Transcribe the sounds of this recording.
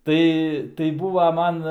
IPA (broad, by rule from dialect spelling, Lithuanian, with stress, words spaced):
ˈtɐɪ tɐɪ ˈbuːʋɐ ˈmɐn